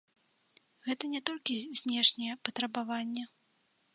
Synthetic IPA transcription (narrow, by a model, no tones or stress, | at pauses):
ɣɛt̪ɐnʲɛt̪ɔlʲkʲizʲnʲɛʂnʲɛjɛpɐt̪ɾɐbavanʲːɛ